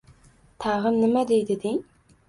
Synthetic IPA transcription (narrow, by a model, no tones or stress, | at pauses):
t̪ʰɑʁəmnɪmɛd̪ejd̪ɪd̪ɪ